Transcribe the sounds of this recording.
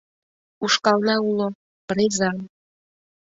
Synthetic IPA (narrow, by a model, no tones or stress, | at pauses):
uʃkɑlnɑulo | pɾezɑm